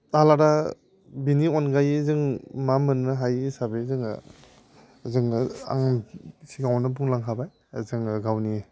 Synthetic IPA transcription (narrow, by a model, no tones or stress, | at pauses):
alaɾa | binionɡajzɯŋmamɯnːɯɦajsabezɯŋ̰ | zɯŋa̰ŋsiɡawnɯbuŋlaŋɦʰabaj | zɯŋɡawni